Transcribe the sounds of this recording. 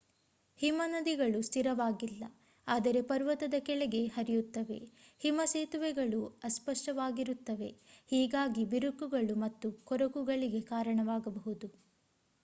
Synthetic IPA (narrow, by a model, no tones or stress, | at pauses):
himɐnɐd̪iɡɐɭust̪ʰiɾɐʋaːɡilːɐ | aːd̪ɐɾe̞pɐɾʋɐt̪ɐd̪ɐkɛɭɛɡe̞hɐɾijut̪ːɐʋe̞̰himɐseːt̪uʋɛɡɐɭuɐspɐʂʈɐʋaːɡiɾut̪ːɐʋe̞hiːɡaːɡibiɾukːuɡɐɭumɐt̪ːukɔɾɐkuɡɐɭiɡe̞kaːɾɐɳɐʋaːɡɐbɐɦud̪u